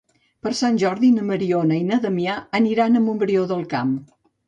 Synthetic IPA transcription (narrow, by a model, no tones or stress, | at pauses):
pəɾsanʲʒɔɾðinəməɾionəinəðəmiaəniɾanəmumbɾioðəlˠkam